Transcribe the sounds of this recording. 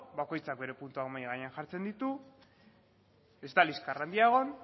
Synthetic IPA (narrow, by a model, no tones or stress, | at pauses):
bako̞jt͡sak̚be̞ɾe̞punt̪uakmajɣaɲeanxaɾt͡se̞nd̪it̪u | e̞zt̪aliskarand̪iaeɣ̞o̞n